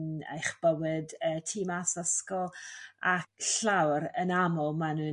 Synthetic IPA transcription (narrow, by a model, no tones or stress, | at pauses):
nḛjχb̥əwɨdəːtʰiːmasəskɔlˠakɬawɾənamɔlˠmanɨː